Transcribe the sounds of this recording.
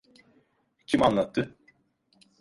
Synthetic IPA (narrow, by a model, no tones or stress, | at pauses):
cʰimanlˠat̪ʰːɯ